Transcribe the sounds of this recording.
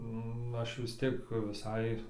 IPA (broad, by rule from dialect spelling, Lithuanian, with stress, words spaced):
nʊ ˈɐʃ ʋʲɪs ˈtʲiɛk ʋʲɪˈsɐɪ